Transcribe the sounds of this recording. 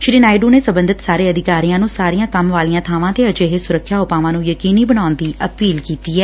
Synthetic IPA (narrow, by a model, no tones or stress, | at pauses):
ʃɾiːnaːɪɖuːneːsəmbənd̪ʱɪt̪saːɾeːəd̪ɪkaːɾijãːnũːsaːɾijãːkəmʋaːlijãːt̪ʰaːʋãːt̪eːəd͡ʒeːɦesʊɾəkʰːjaːɦʊpaːʋãːnũːjəkiːniːbəɽaːnd̪iːʔəpiːlkiːt̪iːɛː